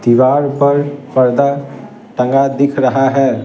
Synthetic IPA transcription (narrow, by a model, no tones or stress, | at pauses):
d̪̥ɪʋaːɾpɐɾpɐɾd̪a | ʈə̃ŋɡad̪ɪkʰɾɐɦaɦɛː